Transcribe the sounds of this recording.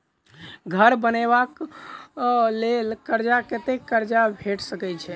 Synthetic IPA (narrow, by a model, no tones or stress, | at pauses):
ɡʱəɾbənebak | lelkəɾd͡ʒaket̪ekːəɾd͡ʒabʱeʈsəkɛjt͡ʃʰɛ